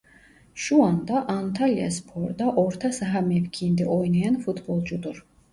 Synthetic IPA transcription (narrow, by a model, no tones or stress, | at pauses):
ʃuand̪aʔant̪ʰalia̰spʰɔɾd̪aʔɔɾt̪ʰasaɦamɛvkʰind̪iʔɔjnajanfut̪ʰbɔlˠd͡ʒud̪ɨɾ